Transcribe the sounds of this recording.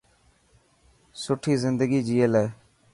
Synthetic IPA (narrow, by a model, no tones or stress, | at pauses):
sʊʈʰːiːzɪnd̪əɡiːd͡ʒiːeːlɛː